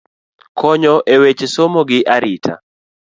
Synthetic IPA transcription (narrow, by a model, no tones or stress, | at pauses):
kʰɔɲɔʔewet͡ʃesomoɡɪʔaɾɪtʰa̰